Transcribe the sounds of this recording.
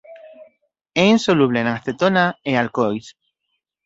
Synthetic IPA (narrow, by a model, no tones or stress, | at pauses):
einsoluβlenaŋast̪et̪onaealkojs